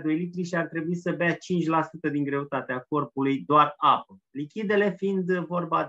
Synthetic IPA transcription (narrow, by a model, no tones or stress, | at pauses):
d̪o̞jlit̪ɾiʃiart̪ɾe̞buisəbeat͡ʃint͡ʃʲlasut̪əd̪iŋɡɾe̞ut̪at̪eako̞rpulujd̪oarapəlikʲid̪e̞le̞find̪vo̞rba